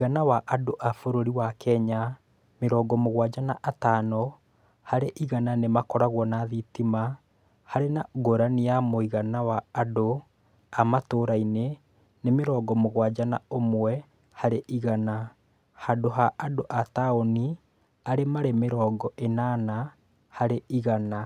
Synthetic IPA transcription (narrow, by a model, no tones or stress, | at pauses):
iɣanawaʔadoʔafoɾoɾiwakɛɲa | meɾɔɡɔmoɣwad͡ʒanaʔataːnɔ | haɾeʔiɣananemakɔɾaɣwɔnaðitima | haɾenaɡoɾaniamoiɣanawaːdo | amatoːɾaine | nemeɾɔːɡɔmoɣwad͡ʒana̰omwɛ | haɾeʔiɣana | hadoɦaʔadoʔataoni | aɾemaɾemeɾɔːɡɔʔenana | haɾeʔiɣana